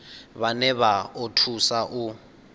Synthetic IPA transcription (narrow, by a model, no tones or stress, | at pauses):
βanɛβaotʰusaʔu